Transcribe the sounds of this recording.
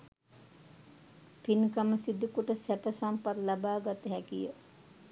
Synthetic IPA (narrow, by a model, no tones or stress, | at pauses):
pinkaməsid̪ukuʈəsæpəsampat̪labaːɡat̪əɦɛkijə